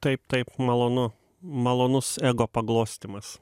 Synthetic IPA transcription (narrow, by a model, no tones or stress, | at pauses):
t̪ɐɪp̚t̪ɐɪpmɐlˠoːnʊ | mɐlˠoːnʊsɛːɡoːpɐɡlˠoːsʲt̪ʲɪmɐs